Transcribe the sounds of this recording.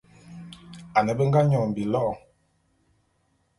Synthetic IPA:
a˨nə˨bə˦ŋ˦ɡa˦ɲɔ˨m̩˨bi˨lɔ˦ʔ

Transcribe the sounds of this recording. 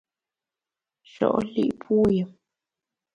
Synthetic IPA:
ʃɔ̰˨ʔlḭ˦ʔpwo˦jə˨m

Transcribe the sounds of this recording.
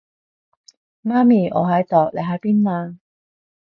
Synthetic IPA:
maː˥miː˨˩ʔɔ̰ː˨˧ɦɐ˨˥jt̪ɔː˨˩k̚le˨˧jɦa˨˥jpiː˥nnaː˧

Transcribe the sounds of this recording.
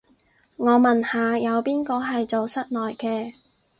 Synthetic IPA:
ŋɔː˨˧mɐ˨˩nhaː˨jɐ˨˧wpiː˥nkɔː˧ɦɐ˨jt͡so˨wsɐ˥t̚nɔː˨jkɛː˧

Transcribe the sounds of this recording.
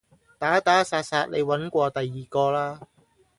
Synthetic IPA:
t̪aː˨˥t̪aː˨˥saː˧t̚saː˧t̚le˨˧jwɐ˨˥nkʷɔː˧t̪ɐ˨jːiː˨˩kɔː˧laː˥

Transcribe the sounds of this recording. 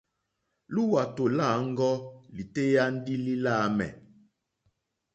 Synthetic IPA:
lu˦wa˨to˨la˦˨˦ŋ̩˦ɡɔ˦li˨te˦ja˦n̩˦di˦li˦la˦mɛ̰˨

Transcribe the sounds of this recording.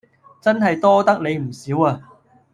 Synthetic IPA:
t͡sɐ˥nɦɐ˨jt̪ɔː˥t̪ɐ˥k̚ne˨˧jm̩˨˩siː˨˥waː˧

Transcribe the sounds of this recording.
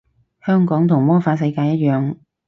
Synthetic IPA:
hœː˥ŋkɔː˨˥ŋt̪ʰʊ˨˩ŋmɔː˥faː˨˥s̬ɐ˧jkaː˧jɐ˥t̚jœː˨˧ŋ

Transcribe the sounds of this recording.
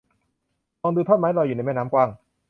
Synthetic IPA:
ɔː˧nd̪uː˧t̪ʰo˥˩t̚maː˦˥jlɔː˧juː˨˩na˧˦jma˥˩naː˦˥mkwaː˧˥˩ŋ

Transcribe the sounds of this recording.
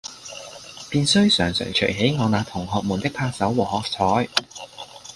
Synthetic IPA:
piː˧nsɵ˥ɥsœː˨˩ŋsœ̰ː˨˩ŋt͡ʃʰɵ̰˨˩ɦe˨˥jŋɔː˨˧naː˨˧t̪ʰʊ˨˩ŋɦɔː˨˧k̚muː˨˩nt̪ɪ˥k̚pʰaː˧k̚sɐ˨˥wwɔː˨˩hɔː˨k̚t͡sʰɔː˨˥j

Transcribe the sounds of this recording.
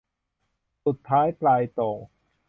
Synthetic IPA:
su˨˩t̪ʰːaː˦˥jplaː˧jt̪ɔː˨˩ŋ

